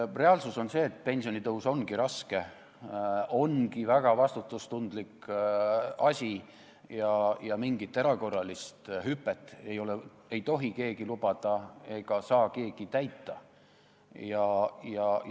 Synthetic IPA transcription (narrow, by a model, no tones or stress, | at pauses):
re̞ɑlsuso̞nse̞ːt̪̚ˑpe̞nʲsio̞nit̪ɤuso̞nɡ̥iɾɑske̞ | o̞nɡ̥ivæɡ̥ɑvɑst̪ut̪ːˑust̪und̪lik | ɑsʲi | jɑjɑmiŋɡit̪ːˑe̞ɾɑko̞rːɑlist̪ɦypːˑet̪ːˑe̞jo̞le | e̞jt̪o̞ɦike̞ːɡilub̥ɑd̪̥ɑe̞ɡ̥ɑsɑːke̞ːɡ̥it̪æjt̪ːˑɑ | jɑjɑ